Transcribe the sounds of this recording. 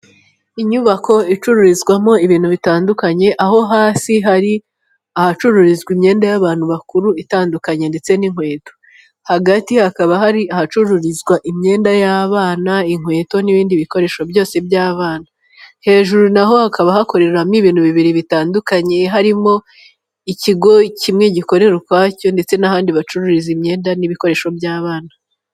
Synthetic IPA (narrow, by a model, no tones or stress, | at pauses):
iɲuβako̞it͡ʃuɾuɾizɡwamo̞iβiːn̥uβitaːndukaɲe̞ʔaɦo̞ɦaːsiɦaɾi | ahat͡ʃuɾuɾizɡimɲe̞ːndajaβaːn̥huβakuɾuitaːndukaɲe̞nde̞t͡se̞niŋ̥we̞ːto̞̥ | haɡatihakaβahaɾiahat͡ʃuɾuɾizɡwaʔimɲe̞ːndajaːβaːnaiŋ̥hwe̞ːto̞niβiːndiβiko̞ɾe̞ːʃo̞bjo̞ːse̞bjaːβaːna | he̞ːʒuɾunaɦo̞hakaβahako̞ɾe̞ɾeɾamiβiːnuβiβiɾiβitaːndukaɲe̞ɦaɾimo̞ | iciɡo̞cimŋe̞ɟiko̞ɾe̞ɾukwaːco̞nde̞t͡se̞nahaːndiβat͡ʃuɾuɾizimɲe̞ːndaniβiko̞ɾe̞ːʃo̞bjaːβaːna